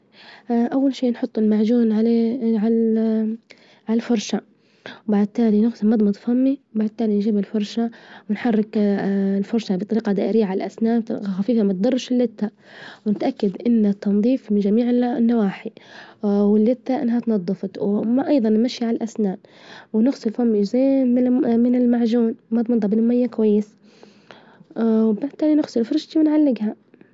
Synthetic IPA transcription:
ʔawːalʃiːnħʊt̪ˤːɪlmaʕd͡ʒuːnʕalʕa | ʕalalfʊɾˤʃa | wbaʕd̪̚t̪aːlinʊxsmɑd̪ˤmɑt̪ˤfamːibaʕd̪̚t̪ːaːlinʒiːbɪlfʊɾˤʃawɪnħɑrːɪklfʊɾˤʃabɪt̪ˤɑɾiːqɑd̪a̰ːʔɪɾɪjːaʕalalʔasnaːnxafiːfamat̪̚d̪ɑrˤːʃɪlːɪt̪ːa | wnɪt̪ʔakːad̪ʔɪnːat̪ːɑnðˤiːfmɪnd͡ʒamiːʕɪnːawaːħi | wɪlːɪt̪ːaʔɪ̰nːɦat̪nɑd̪ˤːɨfɑt̪wmaʔɑjðˤɑnːmaʃiʕalalʔasnaːnwnɪxsˤɨlfʊmːid͡ʒzeːmɪmɪnɪlmaʕʒuːnwmat̪mɑnd̪ˤɑbɪnɪmajːakwajːɪs | wbaʕd̪t̪ːaːlinɪxsˤɨlfʊɾˤʃt̪iwɪnʕalːɪɡha

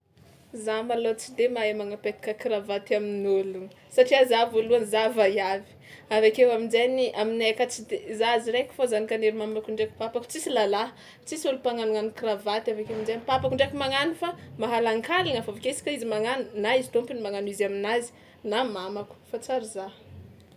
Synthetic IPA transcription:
zamalot͡sid̪emaemaŋapet̪i̥kʲəkiɾavat̪aminoluŋ | saʈ͡ʂiazavoluanzavajavi̥avakewaminzeniʔaminekət͡sid̪ezaziɾekʲu̥fazanikaneɾimamakuɳɖ͡ʐeki̥papaku̥t͡sisilala | t͡sisulupaŋanuŋanikiravat̪avakeaminzanipapakuɳɖ͡ʐekumaŋanufamaɦalaŋkaliŋafavakʲeisi̥kʲaizimaŋanunaizit̪ompinimaŋanizaminazi̥ | namamaku̥fat͡saɾiza

